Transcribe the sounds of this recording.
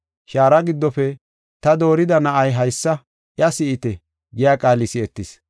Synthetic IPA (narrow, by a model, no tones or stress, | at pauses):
ʃaːɾɐɡɪd̪ːɔfɛ | t̪ɐd̪o̞ːɾɪd̪ɐnɐʔɐjɦɐjsːɐ | ʔjɐsɪɪt̪ɛ | ɡɪjaːkʼaːlɪsɪɛt̪ːɪs